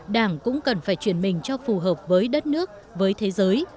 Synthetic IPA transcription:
ɗaː˧˩ŋkʊ̰˧˥ŋ͡mkə˨˩nfaː˧˩jt͡ɕwi˧˩ənmï˨˩ŋ̟t͡ɕɔ˧fu˨˩ɦəː˨˩p̚vəː˨˦jɗə˦˥t̚nɨ˦˥ək̚ | vəː˨˦jt̪ʰe˨˦zəː˨˦j

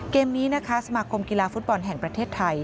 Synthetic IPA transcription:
keː˧mniː˦˥na˦˥kʰa˦˥sa˧maː˧kʰo˧mkiː˧laː˧fu˦˥t̪̚bɔ˧nɦɛ˨˩ŋpɾa˧t̪ʰeː˥˩t̪ʰːa˧j

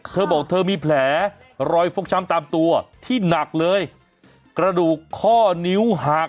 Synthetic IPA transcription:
t̪ʰɤː˧bɔː˨˩k̚t̪ʰɤː˧miː˧pʰlɛː˩˦ | ɾɔː˧jfo˦˥k̚t͡ɕʰa˦˥mt̪aː˧mt̪u˧ɐt̪ʰiː˥˩na˨˩k̚lɤː˧j | kɾa˧duː˨˩kʰːɔː˥˩ni˦˥wɦaː˨˩

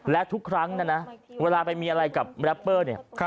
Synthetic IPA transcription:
lɛ˦˥wt̪ʰu˦˥kʰɾa˦˥ŋna˦˥na˦˥weː˧laː˧pa˧jmiː˧ʔa˧ɾa˧jka˨˩p̚ɾɛ˦˥pːɤː˥˩ni˥˩ɐ

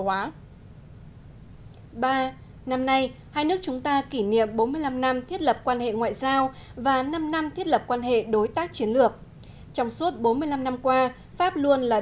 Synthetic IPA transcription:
haː˨˦ | ɓaː˧ | na˧mna˧j | haː˧jnɨ˦˥ək̚t͡ɕʊ˨˦ŋ͡mt̪aː˧ki˧˩nḭ˧˨əmɓo˨˦nmɨ˧əjla˧mna˧mt̪ʰi˦˥ət̚lə˨˩p̚kwaː˧nhḛ˧˨ŋwa̰ː˧˨jzaː˧w | vaː˨˩na˧mna˧mt̪ʰi˦˥ət̚lə˨˩p̚kwaː˧nɦḛ˧˨ɗo˨˦jt̪aː˦˥k̚t͡ɕi˨˦ənlɨ˨˩ək̚ | t͡ɕɔ˧wŋ͡msu˦˥ət̚ɓo˨˦nmɨ˧əjla˧mna˧mkwaː˧ | faː˦˥p̚lu˧ənlaː˨˩

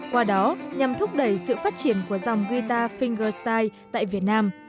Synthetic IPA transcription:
kwaː˧ɗɔ˨˦ɲa˨˩mt̪ʰʊ˦˥k͡p̚ɗə˨˧˩jsɨ̰˧˨faː˦˥t̚t͡ɕi˧˩ənku˧˩əza˨˩wŋ͡mɣi˧t̪aː˧fi˧ŋɣə˧st̪aː˧jt̪a̰ː˧˨jvi˨˩ət̚naː˧m

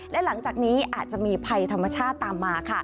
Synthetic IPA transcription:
lɛ˦˥la˩˦ŋt͡ɕaː˨˩k̚niː˦˥ʔaː˨˩t̪̚t͡ɕa˨˩miː˧pʰa˧jt̪ʰa˧mːa˧t͡ɕʰaː˥˩t̪ːaː˨˧mːaː˧kʰa˥˩

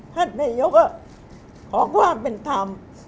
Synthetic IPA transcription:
hʰa˧˩t̚na˧˩jo˦˥k̚a˧˩ | kʰɔː˨˦kwaː˧˩mpe˨˩nt̪ʰa˧˩m

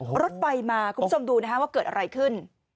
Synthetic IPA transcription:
ɾo˦˥t̪̚fa˧jmaː˧ku˨˩˦t͡ɕʰo˧mduː˧na˦˥ka˦˥waː˥˩kɤː˨˩t̪̚ʔa̰˧ɾa˧jkʰɯ˥˩n

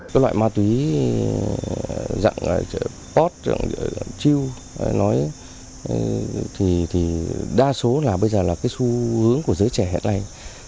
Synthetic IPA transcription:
kaː˨˦jlwa̰ː˧˨jmaː˧t̪wi˨˦ | za̰˧˨ŋː˨˩ | pɔ˦˥t̚za̰˧˨ŋ˩t͡ɕi˧w | nɔ˨˦j | t̪ʰi˨˩t̪ʰi˨˩ɗaː˧so˨˦laː˨˩ɓə˧jzəː˨˩laː˨˩kaː˨˦jsu˧hɨ˨˦əŋku˧˩əzəː˨˦jt͡ɕɛ˧˩ɦɛ̰˧˨na˨˩j

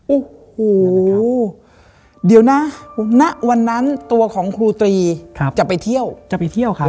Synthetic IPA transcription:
ʔoː˧˩hhhoː˨˩ | di˨˩˦wna˦˥na˦˥ʔwa˧nːa˦˥nt̪u˧ɐkʰɔː˩˦ŋkʰɾuː˧t̪ɾiː˧kʰt͡ɕa˨˩pːa˧jt̪ʰi˥˩əwt͡ɕa˨˩pːa˧jt̪ʰi˥˩əwkʰa˦

